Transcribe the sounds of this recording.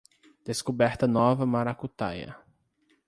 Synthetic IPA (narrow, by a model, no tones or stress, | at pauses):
d̪̥eskobɛɾt̪ɐnɔvɐmaɾakut̪a̰jɐ̰